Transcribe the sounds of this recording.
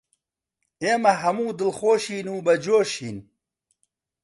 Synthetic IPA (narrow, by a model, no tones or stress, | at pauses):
eːmɐɦɐmuːd̪ɨlxoːʃiːnuːbɐd͡ʒoːʃiːn